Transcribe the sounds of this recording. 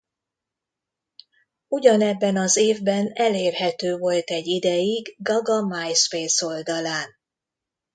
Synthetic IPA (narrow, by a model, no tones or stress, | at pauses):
uɟɒnɛbːɛnɒzeːvbɛnɛleːrɦɛt̪øːvo̞lt̪ɛɟːid̪ɛjiɡɡɒɡɒmajspeːso̞ld̪ɒlaːn